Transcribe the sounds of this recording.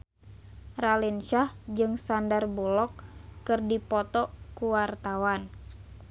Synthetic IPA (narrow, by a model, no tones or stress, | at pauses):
ralinʃahd͡ʒɨŋsandarbulɔk̚ːɨrdipɔt̪ɔkuwart̪awan